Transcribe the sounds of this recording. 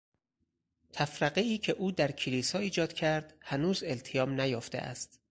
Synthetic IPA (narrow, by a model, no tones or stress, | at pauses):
t̪ʰæfɾæɢeiːcʰe̞ʔuːd̪æɾkʰiliːsɒːiːd͡ʒɒːd̪̥̚cʰæɾd̪̥hænuːzelt̪ʰejɒːmnæjoft̪ḛʔæ̰st̪